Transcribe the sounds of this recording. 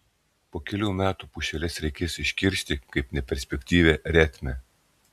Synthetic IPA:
poːkʲɛlʲuːmʲæːt̪upʊʃʲɛlʲɛsɾʲɛɪkʲeːsɪʃʲkʲɪɾʲʃʲt̪ʲɪkɐɪpnʲɛpʲɛɾʲsʲpʲɛkʲt̪ʲiːʋʲeːɾʲæːt̪ʲmʲe

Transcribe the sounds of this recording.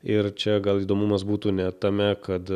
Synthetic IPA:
ɪɾt͡ʃʲɛɡɐlˠiːd̪oːmʊmɐsbuːt̪uːnʲɛt̪ɐmʲɛkɐt̪

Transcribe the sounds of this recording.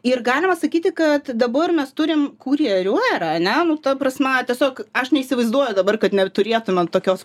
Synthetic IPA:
ɪrɡɑːlʲɪmɐsɐkʲiːt̪ʲɪkɐt̪d̪ɐbɐrmʲɛst̪ʊɾʲɪmkuːɾʲiɾʲuɛɾɐɐnʲɛnʊt̪ɐpɾɐsʲmʲɛt̪ʲiɛsʲoːkɐʃnʲɛiːsʲɪʋɐɪzd̪uɔjʊd̪ɐbɐrkɐt̪nʲɛt̪ʊɾʲeːt̪ʊmʲɛmt̪oːkʲoːs

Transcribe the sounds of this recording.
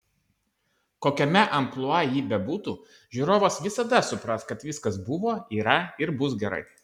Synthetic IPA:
koːkʲɛmʲɛʔɐmplˠuːɐjiːbʲɛbuːt̪uː | ʒʲuɾoːʋɐsʋʲɪsɐd̪ɐsʊpɾɐskɐt̪ʋʲɪskɐsbʊʋoːiːɾɐɪɾbʊsɡʲɛɾɐ̰ɪ

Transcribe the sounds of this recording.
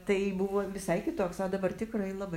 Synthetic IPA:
t̪ɐɪbuʋoːʋʲɪsɐɪkʲɪt̪oːksod̪ɐbɐrt̪ʲɪkrɐɪlˠɐbɐ

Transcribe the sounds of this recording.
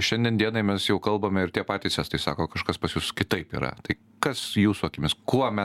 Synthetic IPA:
ʃʲɛnd̪ʲɛnd̪ʲiɛnɐɪmʲɛsjɛʊkɐlˠbɐmʲɛɪɾt̪ʲiɛpɑːt̪ʲɛɪsʲæːst̪ɐɪsɑ̰ːkoːkɐʃkɐspɐsjuːskʲɪt̪ɐɪpḭːɾɐ̰t̪ɐɪ | kɐsjuːsuɐkʲɪmʲɪskuɔmʲɛ

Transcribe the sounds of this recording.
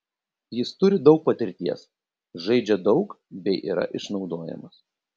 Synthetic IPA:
jɪst̪ʊɾʲɪd̪ɒʊk̚pɐt̪ʲɪɾʲt̪ʲiɛs | ʒɐɪd͡ʒʲɛd̪ɒʊk | bʲɛɪʔḭːɾɐ̰ʔɪʃnɒʊd̪oːjɛ̰mɐs

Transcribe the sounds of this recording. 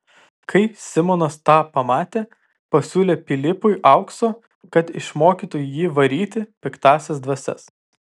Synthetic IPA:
kʰɐɪsʲɪmoːnɐst̪ɑːpɐmɑːt̪ʲeː | pɐsʲuːlʲeːpʲɪlʲɪpʊɪʔɐʊksoː | kɐt̪ɪʃmoːkʲiːt̪oːjujiːʋɐɾʲiːt̪ʲɪpʲɛkt̪ɑːsʲɛsd̪ʋɐsʲɛ̰s

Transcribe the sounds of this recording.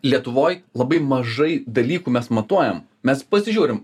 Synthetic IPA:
lʲiɛt̪ʊʋoːjlˠɐbɐɪmɐʒɐɪd̪ɐlʲiːkuːmʲɛsmɐt̪uɔjɛm | mʲɛspɐsʲɪʒʲuːɾʲɪm

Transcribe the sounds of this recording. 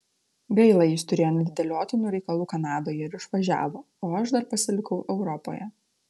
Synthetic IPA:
ɡɐɪlˠɐjɪst̪ʊɾʲeːjonɐd̪ʲɪd̪ʲɛlʲoːt̪ʲɪnuːɾʲɛɪkɐlˠuːkɐnɑːd̪oːjɛɪɾɪʃʋɐʒʲæ̰ːʋoː | oːɐʃd̪ɐɾpɐsʲɪlʲɪkɐʊʔɛʊɾɔpo̰ːjɛ

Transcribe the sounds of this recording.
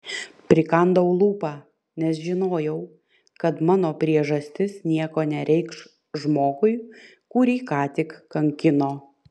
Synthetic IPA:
pʲɾʲɪkɐnd̪ɐʊlˠuːpɑː | nʲɛsʒʲɪnoːjɛʊ | kɐt̪mɑːnoːpʲɾʲiɛʒɐsʲt̪ʲɪsnʲiɛkoːnʲɛɾʲɛɪkʃ | ʒmoːɡʊɪ | kuːɾʲiːkɑːt̪ʲɪkkɐŋʲkʲɪnoː

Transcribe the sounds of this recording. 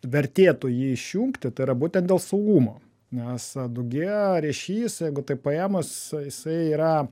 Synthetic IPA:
ʋʲɛɾʲt̪ʲeːt̪ʊjiːɪʃʲjuːŋkt̪ʲɪt̪ɐɪɾɐbuːt̪ʲɛnt̪d̪ʲeːlˠsɐʊɡuːmoː | nʲɛsd̪ʊɡʲɪɾʲiɛʃʲiːsjɛɪɡʊt̪ɐɪpɐjæːmʊsjɪsɐɪiːɾɐ

